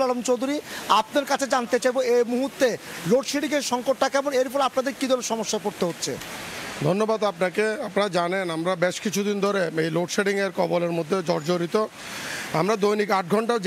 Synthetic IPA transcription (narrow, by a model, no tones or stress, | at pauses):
lɔlomt͡ɕowd̪ʱuɾiap̚neɾkat͡ɕʰed͡ʑant̪et͡ɕajboemuɦuɾt̪ːeloɖʃeɖiŋeɾʃɔŋkoʈːakɛboŋeɾfɔleapnad̪eɾkid̪ʱɔneʃɔmoʃːakoɾt̪eɦotːɕʰḛd̪ʱonːobad̪apnakeapnad͡ʑanenamɾabeʃkit͡ɕʰud̪ind̪ʱoɾeejloʈʃeɖiŋeɾkɔboleɾmod̪ʱːed͡ʑɔɾd͡ʑoɾit̪o | a̰mɾad̪ojnikaʈ̚ɡʱɔɳʈa